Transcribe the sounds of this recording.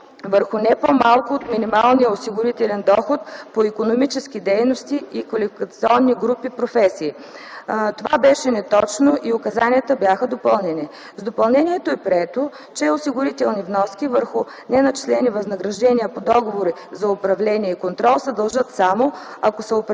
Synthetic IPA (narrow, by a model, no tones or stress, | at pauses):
vəɾxʊnɛpomalˠkʊot̪minimalˠnijəosiɡʊɾit̪ɛlɛnd̪ɔxot̪poikonomit͡ʃɛskʲid̪ɛjnost̪iikɐlifikət̪siɔnːiɡɾupipɾofɛsiː | t̪ovabɛʃɛnɛt̪ɔt͡ʃnoʔiʊkɐzaniət̪əbjaxəd̪opəlˠnɛni | zd̪opɐlˠnɛniɛt̪oɛpɾiɛt̪o | t͡ʃɛosiɡʊɾit̪ɛlˠnivnɔskʲivəɾxʊ | nɛnɐt͡ʃi̥slɛnivɐznɐɡɾɐʒd̪ɛnʲiəpod̪ɔɡovoɾi | zɐʊpɾɐvlɛniɛikont̪ɾɔlˠsɛd̪ɐlˠʒət̪samoɐkosəopɾ